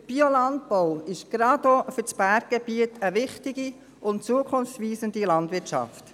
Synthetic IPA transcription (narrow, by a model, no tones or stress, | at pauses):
b̥iolɑnt̚pɔʊɪʃɡ̥ɾɑd̪ofʏɾt͡sb̥æːɾɡ̚ɡ̥ɛbiətəʋɪχtɪɡi | ʊntt͡suəkʰʊnft͡sʋiːsəndilɑndʋɪɾtʃɑ̰ft